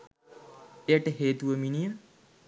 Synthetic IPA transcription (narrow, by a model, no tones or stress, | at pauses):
eəʈəɦeːt̪uʋəminijəm